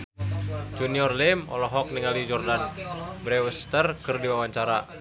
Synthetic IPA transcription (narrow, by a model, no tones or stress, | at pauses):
d͡ʒuniɔrlɪmɔ̰lɔɦɔk̚niŋalid͡ʒɔrdanbɾɛwəst̪ərkɨrdiwawaɲt͡ʃaɾa̰